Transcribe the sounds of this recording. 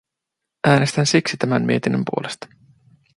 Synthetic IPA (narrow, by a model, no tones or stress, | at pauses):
ʔæːne̞st̪ænsiksit̪æmæmmḭe̞t̪inːəmpṵo̞lest̪ɑ̥